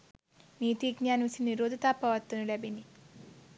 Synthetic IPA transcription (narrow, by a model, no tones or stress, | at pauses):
niːt̪iːɡɲaːnʋisiniɾoːd̪ʱɐt̪aːpːɐʋɐt̪ːɐnulebini